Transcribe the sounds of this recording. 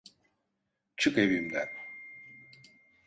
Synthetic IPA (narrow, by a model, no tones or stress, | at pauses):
t͡ʃʰɯkebimd̪æn